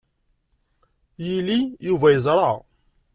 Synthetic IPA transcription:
jilijuvæjəzˤɾˤɑ

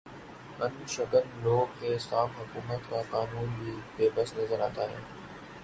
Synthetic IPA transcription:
ɐnʃɐkənɪ̆loːkʰːeːsaːfɦʊkuːmət̪kaːkaːnuːnbiːbeːbəsnɐzəɾaːt̪aːɦɪ̰n

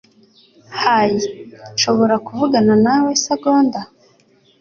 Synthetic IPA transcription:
hajinʃo̞βo̞ɾakuvuɡananawe̞saɡoːnda

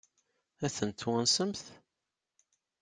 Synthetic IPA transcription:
æθənt̪wænsəmθ

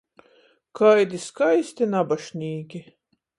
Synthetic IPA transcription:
kʰajd̪ʲiskajsʲt̪ʲinabaʃnʲiːkʲi

